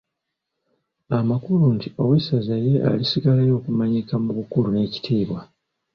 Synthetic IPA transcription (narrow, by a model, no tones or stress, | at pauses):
amakuluntio̞wisazaje̞a̰lisiɡalajo̞ːkumaɲikamuβukulune̞ci̥tʰiːβwa